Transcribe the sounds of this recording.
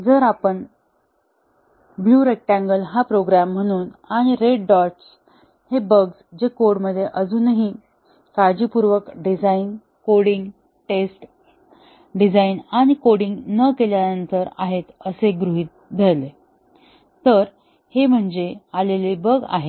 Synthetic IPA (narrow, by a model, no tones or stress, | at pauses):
d͡zəɾapəɳ | bluɾek̚ʈãŋɡəlɦapɾoɡɾamːəɽ̃uːnaɽ̃iɾeɖɖɔɾʈs | hebəɡsd͡ʑekoɽməd̪ʱːjeʔəd͡zuːnaɦi | kad͡ʑiːpuɾʋəkɖid͡zain | koɽiŋɡ | ʈesʈ | ɖid͡zainaɽ̃ikoɽiŋɡnəkeljanənt̪əɾaɦet̪əseɡɾuɦiːt̪̚b̪ʱajle | t̪əɾ | hem̤əɳd͡ʑealelibəɡa̰ɦe